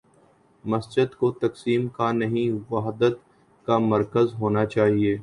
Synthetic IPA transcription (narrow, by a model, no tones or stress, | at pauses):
mɐsd͡ʒɪd̪kot̪ɐksiːmkanɐɦĩʋaːɦd̪ət̪ | kamɐɾkəzɦoːnat͡ʃaːɦieː